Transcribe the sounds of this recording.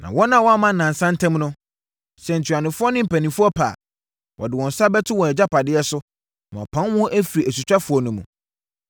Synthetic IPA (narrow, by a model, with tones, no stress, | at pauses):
nã̰˨wɔ˦nã˦˨wɔ˦a˦mã˨n̩˨nã˨n˨sã˦n̩˦tʰɛ̃˦mnʊ̃˦ | sɛ˨n̩˨tʰɥa˨nɪ̃˨fʊ˦ɔ˦nɪ̃˦m̩˨pæ˨nĩ˨fʊ˦ɔ˦pʰa̰ː˨ | wʔɔ̰˨dɪ˨wɔ̃˨n̩˨sa˦bɛ˦tʰʊ˦wɔ̃˨ɛ˨d͡ʑa˦pʰa˨dɪ˦ɛ˦sʊ˦ | nã˨ɔ̰˨pʰã˦nwɔ̃˦ʔæ˦fiɾi˨ʔæ˨su˨t͡ɕᶣa˦fʊ˨ɔ˨nʊ̃˨mṵ̃˨